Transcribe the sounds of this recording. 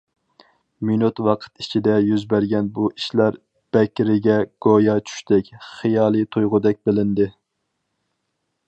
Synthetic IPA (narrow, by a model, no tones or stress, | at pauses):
minut̪wɑqʰə̥t̪it͡ʃʰid̪ɛjyzbæɾɡʲɛnbuʔiʃlæɾ | b̥ɛkʲɾɪɡʲɛɡ̥ojɑt͡ʃʰy̥ʃt̪ɛkʲχijɑːlˠɨt̪ʰujʁʊd̪ɛk̚ʲbɪlɪnd̪ɪ